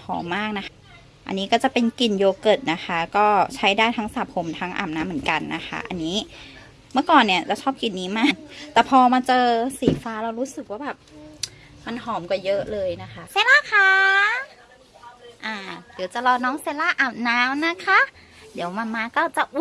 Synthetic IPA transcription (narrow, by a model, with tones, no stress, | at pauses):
pʰɔ̰ː˨˦maː˥˩k̚na˧˦˥xʰ | ʔa̰˧˨nːiː˦˥kɔː˥˩t͡ɕa˨˩pe˧nki˨˩njoː˧kɤ˨˩t̪̚na˦˥xʰa˦˧˥kɔː˥˩t͡ɕʰa˦˥jdaː˥˩jt̪ʰaː˧˦˥ŋsaː˨˦p̚ʰo˧mt̪ʰaː˦˥ŋʔa̰ː˨˩m̚naː˨˦˥mɯ˩˦ə˦nka˧nːa̰˦˥xʰa̰˧˥ʔa̰˧˨nːiː˦˥ | mɯ˥˩ɐkɔː˨˩nːi˧˩ɐt͡ɕa˧˩t͡ɕʰɔː˥˩p̚ki˨˩nːiː˦˥maː˥˩k̚t̪ɛː˨˩pʰɔː˧ma˧nt͡ɕɤː˧siː˨˩˦faː˧˥la˧wɾuː˦˥sɯ˨˩k̚waː˥˩bɛː˨˩p̚ | ma˧nɦɔː˨˦mkɔː˧˩jɤ˦˥ʔlɤː˧jna˦˥xʰa˦˧˥seː˧˦laː˧˥˨kʰaː˧ | ʔaː˧˩di˩˦wt͡ɕa˧lɔː˧nɔː˦˥ŋse˧˦laː˧˥˩ʔaː˨˩m̚naː˦˥mna˦˥kʰa˧˥ | diː˨˦əwma˧nmaː˧kɔː˥˩t͡ɕa˨˩ʔu˧˦